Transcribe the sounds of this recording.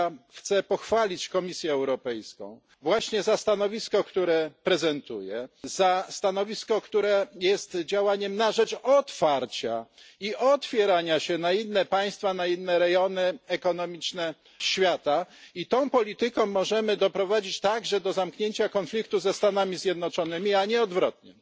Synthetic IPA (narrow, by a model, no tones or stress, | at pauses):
xt̪sɛpɔxfalʲit͡ɕkɔmʲisʲjɛːwɾɔpɛjskɔ̰̃w̃ | vwaɕɲɛzast̪anɔvʲiskɔkt̪uɾɛpɾɛzɛnt̪ujɛzast̪anɔvʲiskɔkt̪uɾɛjɛst̪d͡ʑawaɲɛmnaʐɛt͡ʂɔt̪faɾt͡ɕa̰iʔɔt̪fʲjɛɾaɲaɕɛnainːɛpaj̃st̪fanainːɛɾɛjɔnɘɛkɔnɔmʲit͡ʂnɛ | ɕfʲjat̪ait̪ɔ̃w̃pɔlʲit̪ɘkɔ̃w̃mːɔʐɛmɘd̪ɔpɾɔvad͡ʑit͡ɕt̪aɡʐɛd̪ɔzamkɲeɲt͡ɕakɔnflʲikt̪uzɛst̪anamʲizʲjɛd̪nɔt͡ʂɔnɘmʲiaɲɛɔd̪vɾɔt̪̚ɲɛ